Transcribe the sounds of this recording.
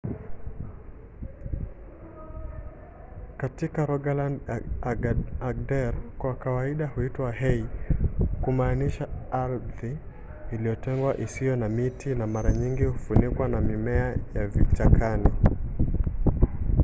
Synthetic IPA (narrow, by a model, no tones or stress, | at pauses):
katikaɾɔɡalandaaɡ̚dɛɾkwakawaiɗahuitwaɦɛi | kumaːniʃaaɾðiː | lijɔtɛŋɡwa̰ʔisijɔnamitinamaɾaɲiŋɡihufunikwanamimɛajavit͡ʃakʰani